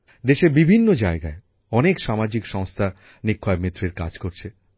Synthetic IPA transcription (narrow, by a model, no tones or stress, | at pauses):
d̪eʃeɾbibʱinːod͡ʑaeɡae | ɔnekʃamad͡ʑikʃɔŋst̪ʰa | nikʰːaemet̪ːɾeɾka̰d͡ʑkoɾt͡ɕʰe